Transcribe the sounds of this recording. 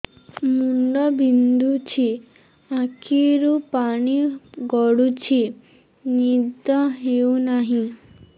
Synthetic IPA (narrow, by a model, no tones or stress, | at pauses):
muɳɖɔbʱind̪ut͡ʃʰi | akʰiɾupaɽ̃iɡɔɽut͡ʃʰi | nid̪ɔɦeunaɦĩ